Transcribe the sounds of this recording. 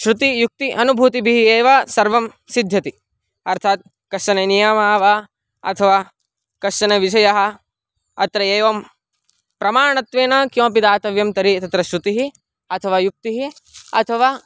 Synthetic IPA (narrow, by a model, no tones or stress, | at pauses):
ʃɾut̪ijuk̚t̪iʔɐnubʱuːt̪ibʱiɦieːʋɐsɐɾʋɐm | sid̪ʱjɐt̪i | ɐɾt̪ʰaːt̪̚ | kɐʂɐnenijɐmaːʋɐ | ɐ̰t̪ʰɐʋaː | kɐʂɐnɐʋiʃ̬ɐjɐɦɐ̆ | ɐt̪ɾɐeːʋɐm | pɾɐmaːɳɐt̪ʋeːnɐkjõːpid̪aːt̪ɐʋjɐmt̪ɐɾit̪ɐt̪ɾɐʃɾut̪iɦi | ɐt̪ʰɐʋaːjuk̚t̪iɦi | ɐ̰t̪ʰɐʋaː